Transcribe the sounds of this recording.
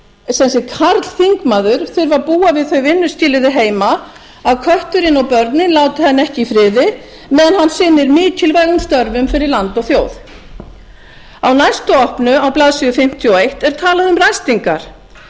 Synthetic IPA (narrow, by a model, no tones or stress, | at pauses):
sɛnsɛkʰaɾt̪l̥θiŋkmaðʏɾ̥θʏɾvapuːavɪðθœɥvɪnːʏscɪːlɪðɪɦeːjma | aðkʰœht̪ʏɾɪnɔwpœɾt̪nɪnlaːwt̪ɪθɛnːaɛhcɪifɾɪːðɪ | mɛːðanhanːsɪnːɪɾmɪːc̪ʰɪlvaːjɣʏmst̪œɾvʏmfɪɾɪɾlant̪ɔɣθjoːwθ | awnajst̪ʏɔhpnʏawplaðsijʏfɪm̥t̪ʰjɔejht̪ɛɾ̥t̪ʰaːlaðʏmrajst̪iŋkaɾ̥